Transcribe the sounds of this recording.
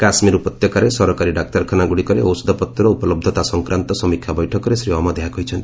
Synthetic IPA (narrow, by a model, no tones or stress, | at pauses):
kasmiɾupɔt̪jɔkaɾesɔɾɔkaɾiɖak̚ʈaɾkʰanaɡuɽikɔɾeɔwsɔd̪ʱɔpɔt̪jɔɾɔupɔlɔb̚d̪ʱɔt̪asɔŋkɾant̪ɔsɔmikʰjabɔjʈʰɔkɔɾesɾiɔmad̪eɦakɔɦit͡ʃʰɔnt̪ii̥